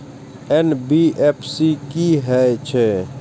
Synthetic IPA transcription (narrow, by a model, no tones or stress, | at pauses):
enbiʔepʰsikiɦɛt͡ʃʰe